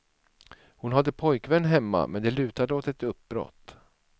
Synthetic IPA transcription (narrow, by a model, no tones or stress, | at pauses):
hʊnɦad̪ːəpʰɔjkvɛnːɦɛmːa̰mʔɛnd̪ɛlʉ̟ːt̪ad̪əot̪ɛt̪ɵp̚bɾɔ̰t̪ː